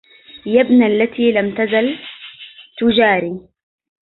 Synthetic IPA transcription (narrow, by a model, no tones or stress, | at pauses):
jabnalːat̪iːlamt̪azal | t̪ʊd͡ʒaːɾiː